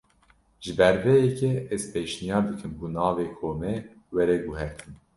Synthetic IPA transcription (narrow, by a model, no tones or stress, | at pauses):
ʒɨbɛɾvɛjɛkɛɛzpeːʃnijɑːɾd̪ɨkʰɨmbunɑːveːkʰoːmɛ | wɛɾɛɡuɦɛɾt̪ʰɨm